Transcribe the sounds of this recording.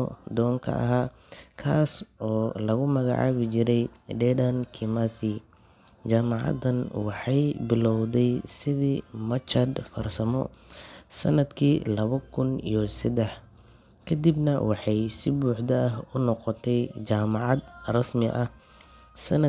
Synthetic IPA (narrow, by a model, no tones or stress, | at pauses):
ɔd̪ɔːŋkʰɐ̰ʔɐ̰ɦaː | kʰaːsɔːlɐɣʊmɐɣa̰ʕɑ̰ːβɪt͡ʃɪɾɛjɖɛdɐnkʰɪmaθi | t͡ʃaːmɑʕɑ̰d̪ɐnwɑħɑjbɪlɔwðɛjsɪðiːmɐt͡ʃɐd̪fɐrsɐmɔ̰ | sɐ̰nɐd̪kʰiːlɐβɐkʰʊnḭjɔsɐd̪ɛħ | kʰɐd̪ibnɐwɑħɑjsɪbuːħd̪ɐʔɐɦʊnɔqɔt̪ʰɛjt͡ʃaːmɑʕɑd̪rɐsmɪʔɐh | sɐnɐ